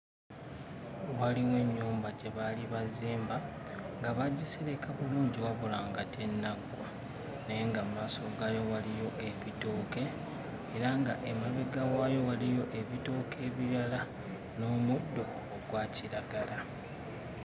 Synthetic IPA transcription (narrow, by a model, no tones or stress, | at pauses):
waliwe̞ɲːuːmbaɟeβaliβaziːmba | ŋɡaβaɟːisiɾe̞kʰaβuluːɲɟiwaβulaːŋɡatʰe̞nːaɡwa | neŋɡamaːsoɡaːjo̞walijo̞ʔeβitoːke̞ː | ɾaŋɡaʔe̞maβe̞ɡawaːjo̞walijo̞ʔe̞βito̞ːkʰe̞ːβiɾala | no̞ːmudːo̞ːɡwaːcʰiɾaɡala